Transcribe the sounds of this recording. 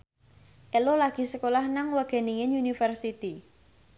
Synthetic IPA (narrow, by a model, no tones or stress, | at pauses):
ʔelolaɡ̥i̤səkolahnaŋwaɡ̥ɛ̤niŋenunifərsit̪i